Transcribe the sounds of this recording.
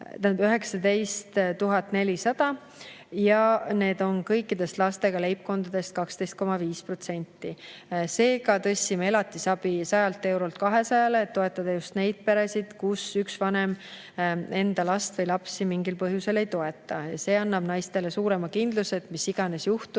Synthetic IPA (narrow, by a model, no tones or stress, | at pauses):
t̪æbyɦe̞ksɑd̪e̞jst̪t̪uɦɑt̪ːˑne̞lisɑd̪̥ɑ | jɑne̞ːd̪̥o̞nkɤjkːˑid̪̥e̞st̪lɑst̪e̞ɡ̥ɑle̞jp̚ko̞nd̪ɑd̪̥e̞st̪̚kɑkst̪ejst̪̚ko̞mɑviːspro̞t̪se̞nʲt̪ˑːise̞ːɡɑt̪ɤ̞sʲːimee̞lɑt̪ːˑisɑb̥isɑjɑlt̪ːˑe̞wɾolt̪̚kɑɦe̞sɑjɑleːt̪ːo̞e̞t̪ːˑɑd̪ɑjust̪ne̞jd̪̥̚pe̞ɾesid̪̥kusyksvɑne̞m | e̞nd̪̥ɑlɑst̪vɤjlɑpsimiŋɡilpɤɦjuse̞le̞jt̪o̞e̞t̪ːˑɑjɑse̞ːɑnːɑb̥nɑjst̪e̞le̞suːɾe̞mɑkind̪luse̞t̪misːiɡ̥ɑne̞sjuht̪u̥